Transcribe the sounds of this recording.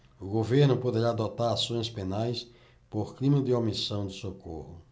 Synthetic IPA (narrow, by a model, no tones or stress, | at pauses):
ʊɡoveɾnʊpod̪eɾaːd̪ɔt̪aɾasõj̃spenajs | poɾklĩmɐd̪ɪomisɐ̃w̃d̪ɪsoko̰hʊ